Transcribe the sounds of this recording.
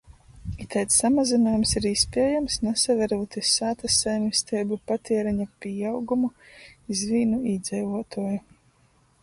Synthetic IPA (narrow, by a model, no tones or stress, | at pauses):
it̪ɛjt̪sːamazinaːjumsiɾispʲiɛjamsnɛsavɛɾuːt̪isaːt̪asːɛjmist̪ɛːjbupat̪iɛɾɛɲapʲijawɡumuizviːnuiːd̪zɛjvuɔt̪uɔju